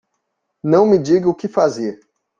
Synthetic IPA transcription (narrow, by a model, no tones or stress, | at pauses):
nɐ̃w̃mɪd͡ʒiɡɪʊkɪfaziɐ